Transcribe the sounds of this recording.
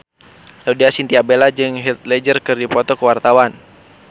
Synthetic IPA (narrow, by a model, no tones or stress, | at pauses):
laudiasint̪iabelad͡ʒɨŋɦɛt̪̚lɛd͡ʒərkɨrdipɔt̪ɔkəwart̪awan